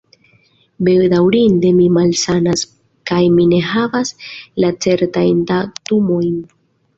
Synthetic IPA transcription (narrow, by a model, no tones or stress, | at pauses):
be̞dawɾinde̞mimalsanas | kajmine̞ɦavaslat͡se̞ɾtajndatumo̞jn